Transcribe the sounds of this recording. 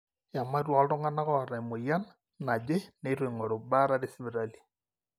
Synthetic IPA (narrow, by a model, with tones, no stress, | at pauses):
ja˨ma˦ɾwɔ˨˦lto˦ŋa˦na˦ɣɔ˦˨ɾa˨mo˨ja˦n | na˨d͡ʒe˦ne˦ɾo˨i˨ŋɔ˨ɾo˨ba˦ɾa˦ɾe˦si˦βi˨ɾali˨